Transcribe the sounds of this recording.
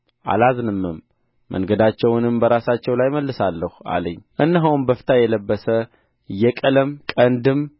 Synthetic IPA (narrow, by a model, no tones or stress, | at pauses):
ʔa̰laznɨmːɨmː | ə̰ŋɡəd̪at͡ʃːɛwnɨmbəɾasat͡ʃːɛwlajməlːɨsalːəhua̰lə̰ɲːʔɨnːɨɦawnbəfɨ̥t̪ʰajɛləbːəsə | jɛkʼələmkʼənd̪ɨm